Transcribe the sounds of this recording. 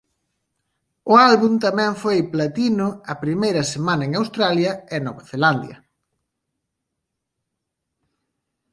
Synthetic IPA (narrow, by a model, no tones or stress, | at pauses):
ʊalβunt̪ɐmɛ̃ɱfojplat̪inʊɐpɾimejɾɐsemanɐeŋawst̪ɾaljɐɛnoβaθeland̪jɐ̰